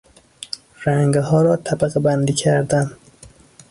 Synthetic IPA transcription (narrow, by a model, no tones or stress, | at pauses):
ræŋɡɦɒːɾɒːt̪ʰæbæɣebænd̪iːcʰæɾd̪æm